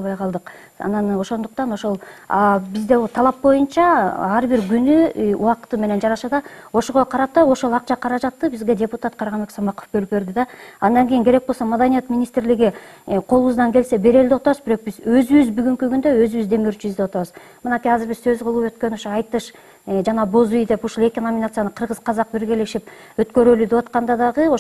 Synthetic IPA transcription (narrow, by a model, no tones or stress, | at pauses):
lˠβɑjqʰɑlˠd̪ɯq | ɑ̰nɑno̞ʃo̞nd̪uqt̪ɑno̞ʃo̞lˠɑbizd̪et̪ʰɑlˠɑp̚bo̞junt͡ʃɑɑɾbiɾɡynyṵwɑqt̪ɯme̞ne̞nd͡ʒɑɾɑʃɑd̪ɑo̞ʃoʁoqʰɑɾɑp̚t̪ɑo̞ʃo̞lˠɑqt͡ʃɑqʰɑɾɑd͡ʒɑt̪ːɯbizɡʲe̞dʲe̞put̪at̪qʰɑɾʁɑnbeksɑmɑqo̞̥fbølyp̚be̞ɾd̪ɪd̪ɑɑnd̪ɑŋɡʲijiŋke̞ɾe̞k̚bosomad̪anijat̪mʲinʲist̪ɾlɪɡiqʰo̞lˠuβuzd̪ɑŋkʲe̞lse̞be̞ɾe̞ld̪eot̪ɑβɯzbɪɾo̞q̚bizøzyβyzbyɡyŋkyɡynd̪øø̞zyβyzd̪e̞møɾt͡ʃyyzd̪ewot̪ɑβɯz | mɯnɑkʲijɑzɪɾbizsø̞zqʰɯlˠuːø̞t̪kø̞noʃoɑjt̪ɯʃ | d͡ʒɑnɑbozujd̪e̞puʃulˠe̞kʲinomʲinat̪sjanɯqʰɯɾʁɯz̥qʰɑzɑq̚biɾɡeleʃip̚ | øt̪kø̞ɾølyd̪e̞wɑt̪qɑnd̪ɑd̪ɑʁɯo